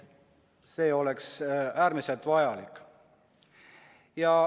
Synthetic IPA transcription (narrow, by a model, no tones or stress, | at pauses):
se̞ːo̞le̞ksæːɾmise̞lt̪vɑjɑlikːˑ | jɑ